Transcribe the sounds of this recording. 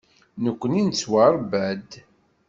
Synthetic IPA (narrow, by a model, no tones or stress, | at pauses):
nəkʷːənint͡sːwaɾˤbæd̪